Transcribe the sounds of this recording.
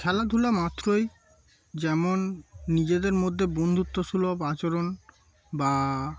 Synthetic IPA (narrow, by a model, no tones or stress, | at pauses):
kʰɛlad̪ʱulamat̪ːɾoj | d͡ʑɛmonːid͡ʑed̪eɾmod̪ʱːebond̪ʱut̪ːoʃulopat͡ɕoɾon | ba